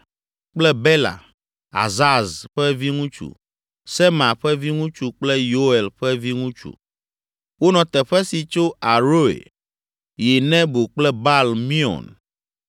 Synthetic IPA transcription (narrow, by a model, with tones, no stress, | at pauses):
k͡plɛ˦bɛ˦la̰˨ | a̰˨za˦zɸɛ˦vi˦ŋũ˦t͡ʃṵ˨ | sɛ˦mã˨ɸɛ˦vi˦ŋũ˦t͡ʃu˨k͡plɛ˦jo˦ɛ˨lɸɛ˦vi˦ŋũ˦t͡ʃṵ˨ | wo˦nɔ̃˨t̪ɛ˨ɸɛ˦si˨t͡ʃo˦a˨ɾo˦ḛ˨ | je˨nɛ̃˦bo˨k͡plɛ˦ba˦˨lmĩ˦ɔ̰˨n